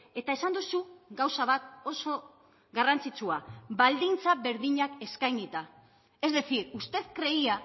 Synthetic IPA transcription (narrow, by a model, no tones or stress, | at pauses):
e̞t̪ae̞sand̪usuɡawsaβ̞at̪o̞so̞ | ɡarant͡sit͡suabald̪int͡saβe̞ɾðiɲake̞skajnit̪a | e̞zðe̞θiɾust̪e̞ðkɾe̞ia